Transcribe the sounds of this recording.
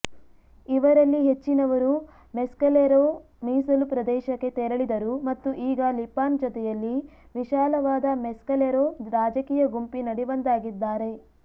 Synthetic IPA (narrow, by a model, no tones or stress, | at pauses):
iʋɐɾɐlːiɦet͡ʃːinɐʋɐɾu | meskɐleɾoː | miːsɐlupɾɐd̪ɛːʃɐkːe̞t̪eɾɐɭid̪ɐɾumɐt̪ːuʔiːɡɐlipaːnd͡ʒɔt̪ɛjɐlːiʋiʃaːlɐʋaːd̪ɐmɛskɐleɾoːɾaːd͡ʒɐkiːjɐɡumpinɐɽiʋɐnd̪aːɡid̪ːaːɾe̞